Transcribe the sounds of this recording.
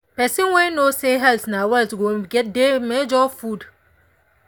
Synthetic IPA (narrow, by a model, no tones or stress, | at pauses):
pɛsĩnwɛnoseɦɛlsnawɛltɡoɡɛt̚demed͡ʒɔfud